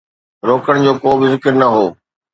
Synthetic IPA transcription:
ɾoːkəɽ̃d͡ʑoːkoːbɪzɪkəɾnɐɦoː

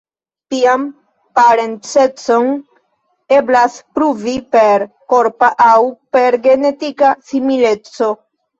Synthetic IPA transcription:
tiam | paɾe̞nt͡se̞t͡son | e̞blaspɾuvipeɾ | ko̞ɾpaʔawpe̞ɾɡe̞ne̞tikasimile̞t͡so̞

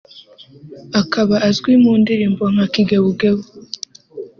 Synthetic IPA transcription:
akʰaβaʔːzɡwimuːndiɾiːmboŋ̥hakiɡeβuɡeβo

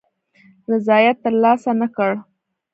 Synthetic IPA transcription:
ɾɪzɑjat̪ːəɾlɑsanəkəɽ

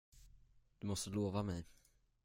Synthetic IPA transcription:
d̪̥ɵmɔst̪əloːvamɛj

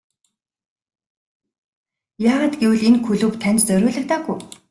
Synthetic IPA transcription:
jaːʁaːt̪ɡewɘ̆ɮenxʰɵɮɵ̆kt̪ʰænt͡ɕt͡sœɾʲʊːɮə̆k̚t̪aːɡuj

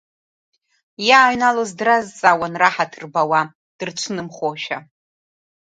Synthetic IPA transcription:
jaːɥnalozdrazt͡sʼawanraħatʰɨrbawa | d̥ɨrt͡ʃʷʰnɨmχoʃa

